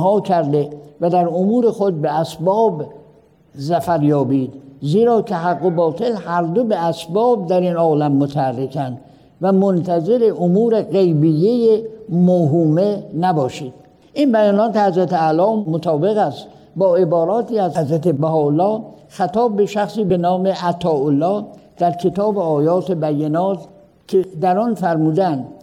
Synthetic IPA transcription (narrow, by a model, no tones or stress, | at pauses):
ɦɒːkʰæɾd̪evæd̪æɾomuːɾe̞xod̪̚beæsbɒːb | zæfæɾjɒːbiːd̪ziːɾɒːk̪ʰeɦæɡːobɒːt̪ʰe̞lhæɾd̪obeæsbɒːb̚d̪æɾinɒːlæmːot̪ʰæærːekʰænd̪ | væmont̪ʰæze̞ɾe̞ʔomuːɾe̞ɣe̞jbijːejemoɦuːmenæbɒːʃiːd̪̥ | ʔinbæjɒːnɒːt̪ehæzɾæt̪eælɒːmot̪ʰɒːbe̞ɣæst̪ | bɒːe̞bɒːɾɒːt̪iːæzhæzɾæt̪ebæɦɒːolːɒːxæt̪ɒːbbe̞ʃæxsiːbe̞nɒːmeʔæt̪ʰɒːolːɒːd̪̥æɾkʰe̞t̪ɒːbeɒːjɒːt̪ʰe̞bæjːenɒːt̪ | kʰed̪æɾɒnfæɾmuːd̪ænd̪